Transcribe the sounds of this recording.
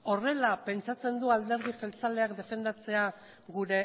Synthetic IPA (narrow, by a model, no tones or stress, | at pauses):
o̞re̞lape̞nt͡sat͡se̞nd̪uald̪e̞ɾð̞ifelt͡sale̞akd̪e̞fe̞nd̪at͡se̞a | ɣuɾe̞